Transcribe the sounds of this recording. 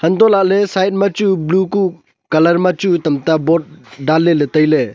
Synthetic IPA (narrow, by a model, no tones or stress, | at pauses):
hɐntɔlaʔ̚lesajt̚mat͡ʃubluku | kɐlɐɾmat͡ʃutɐmtabɔt̚dalːeletəjle